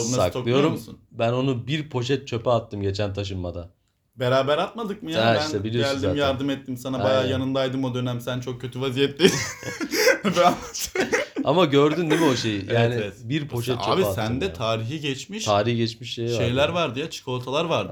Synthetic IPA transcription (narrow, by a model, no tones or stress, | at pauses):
nasaksok̪lˠɯjo̞ɾummsṵnbæno̞nubiɾpʰo̞ʃ̬ɛt̪̚t͡ʃʰø̞pɛat̪ːɯmɟet͡ʃʰænt̪ʰaʃ̬ɯmːad̪a | beɾaːbæɾat̪mad̪ɯk̚mɯjaɛiʃænt̪ɛbilʲioæslʲd̪imjaɾd̪ɯmɛt̪ːimsanabajaːjanɯnd̪ajd̪ɯmo̞d̪ø̞næmsænt͡ʃʰo̞k̚cʰːøt̪ʰyvazijɛt̪ːe | bɛaasamaɟøɾd̪ynnːemio̞ʃejijaːɛnievɛt̪biɾpʰo̞ʃ̬ɛt̪t͡ʃaø̰biasænd̪ɛt̪ʰaːɾiɦiɟɛt͡ʃmiʃt̪ʰaːɾihɟɛt͡ʃmiʃːejʃaejlʲæɾvaɾd̪ɯjat͡ʃʰi̥kʰo̞lˠt̪ʰalˠaɾvaɾd̪ɯ